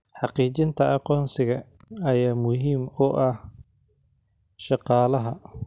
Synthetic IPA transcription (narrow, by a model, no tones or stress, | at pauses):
ħɑqiːt͡ʃɪnt̪ʰɐʔɑqɔːnsɪɣɐɐjaːmʊɦiːmʊʔɐh | ʃɑqɑːlɐɦɐ